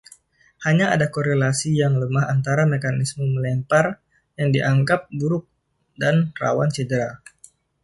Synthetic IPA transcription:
haɲaadakoɾelasijaŋləmaɦant̪aɾamekanisməməlɛmpar | jaŋdiʔaŋkap̚buɾʊk̚ | danra̰want͡ʃədəɾa

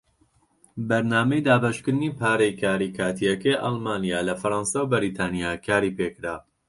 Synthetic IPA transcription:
bɐɾnaːmɐjd̪aːbɐʃkɨɾniːpʰaːɾɛjkʰaːɾiːkʰaːt̪ʰijɐkɐjʔɑ̰lˠmaːnijaːlɐfɐɾɑːnsawbɪɾiːt̪ʰaːnijaːkʰaːɾiːpeːkɾaː

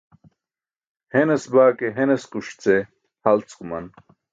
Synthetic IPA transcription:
henesbaːkeɦeneskuɕt͡se | hɐlt͡skumɐn

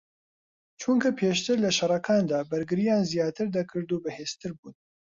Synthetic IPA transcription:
t͡ʃʰuŋkʰɐpʰeːʃt̪ɨɾlɐʃɐrɐkʰaːnd̪aːbɐɾɡɨɾijaːnzijaːt̪ʰɨɾd̪ɐkʰɨɾd̪uːbɨheːz̥t̪ʰɨɾbuːn

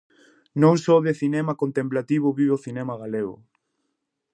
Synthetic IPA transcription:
nõŋsɔðeθinɛmakont̪emplat̪iβ̞ʊβiβoθinɛmaɣaleɣʊ̰

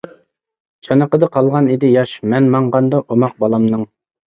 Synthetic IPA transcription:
t͡ʃʰɑnəqəd̪ɑqʰɑlˠʁɑnid̪ɪjɑʃmɛnmɑɴʁɑnd̪ɑʔomɑq̚bɑlˠɑmnɨŋ

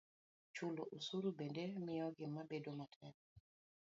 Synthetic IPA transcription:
t͡ʃʊloʔosuɾubendemɪjɔɡɪmːabedomatʰɛn

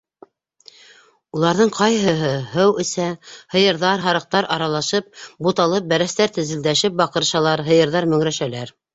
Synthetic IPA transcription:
ulˠɑɾðɤɴqʰɑjɦɤ̆ɦɤɦɤwɘ̆sæhɤ̆jɤ̆ɾðɑɾɦɑɾɤ̆q̚t̪ɑɾʔɑɾɑlˠɑʃɤp̚but̪ɑlˠɤp̚bæɾæst̪æɾt̪ɘ̆zɘ̆ld̪æʃɘp̚bɑqɤ̆ɾʃɑlˠɑɾɦɤ̆jɤ̆ɾðɑɾmɵ̆ŋɾæʃælæɾ

